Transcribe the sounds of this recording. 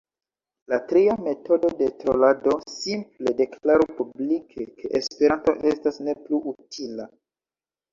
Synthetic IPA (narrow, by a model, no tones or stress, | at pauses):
latɾiame̞to̞do̞de̞tɾolado̞simple̞de̞klaɾupublikʰekʰe̞ʔespe̞ɾanto̞ʔe̞stasne̞pluʔutʰila